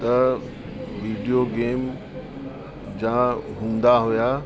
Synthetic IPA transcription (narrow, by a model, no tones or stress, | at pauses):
t̪ɐ | ʋiːɖijoɡeːm | d͡ʑãɦũːn̆d̪aɦʊjaː